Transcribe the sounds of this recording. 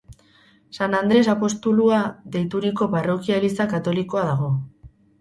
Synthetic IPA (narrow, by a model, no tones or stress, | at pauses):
sanand̪ɾe̞sapo̞st̪uluaðe̞jt̪uɾiko̞paro̞kialisakat̪o̞liko̞aðaɣo̞